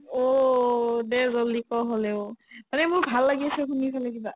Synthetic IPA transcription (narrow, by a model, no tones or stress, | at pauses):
o | dɛzɔlikɔɦolɛʊmanɛmʊɹbʱalːaɡiasɛxunipʰalɛkiba